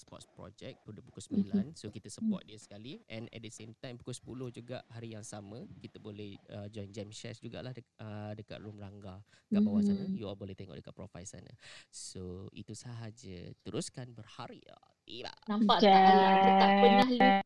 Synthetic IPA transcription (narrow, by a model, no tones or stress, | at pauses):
sə̥pɔ̰t̪̚spɾɔ̰d͡ʒɛk̚pudəpu̥kʊsəmilansokit̪əsəpɔ̰t̪̚diəsə̥kaliʔɛ̃nɛ̰t̪̚dəsemt̪ãjmpu̥kʊsə̥pulohd͡ʒuɡaʔhaɾijaŋsamə̃kit̪əbolɛhəd͡ʒɔjnd͡ʒɛmʃɛsd͡ʒuɡa̰ʔlahəədəka̰ʔ̪lumraŋɡakaʔbawasanəjuabolɛht̪eŋɔʔdəkat̪̚pɾɔfajlsa̰nə̰soḭt̪usaɦad͡ʒə̰t̪əɾuskanbərhaɾia̰ | a̰nampaʔɛaəahli